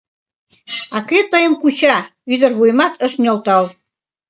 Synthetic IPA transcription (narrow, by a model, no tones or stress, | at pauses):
ɑket̪əjəmkut͡ɕɑyd̪ərβujmɑt̪ʰəʃnʲolt̪ɑl